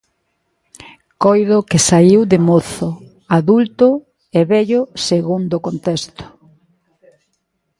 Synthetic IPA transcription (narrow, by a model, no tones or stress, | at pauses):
kojðʊkɪsaiwðɪmoθʊ | aðult̪ʊ | eβɛʎʊseɣund̪okont̪ɛst̪ʊ̥